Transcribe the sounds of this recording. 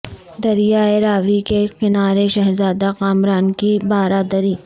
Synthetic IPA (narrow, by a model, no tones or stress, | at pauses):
d̪ɐɾijaːeɾaːʋikekɪnaːɾeʃɐɦzaːd̪aqaːmɾaːnkibaːɾaːd̪əɾiː